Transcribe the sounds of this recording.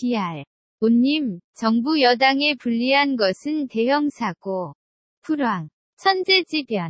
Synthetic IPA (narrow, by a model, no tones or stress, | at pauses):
piaɭ | oɲːimt͡ɕʌŋbujʌdaŋe̞puʎːiɦanɡʌsʰɯnte̞jʌŋsʰaɡ̥o | pʰuɾwaŋ | t͡ɕʰʌnd͡ʑe̞d͡ʑibjʌn